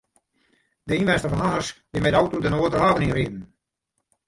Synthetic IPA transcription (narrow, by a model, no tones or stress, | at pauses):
dəinʋɛnstəfɔnɦaːəskbɪmɛdawtodənoətəraːvəninridn̩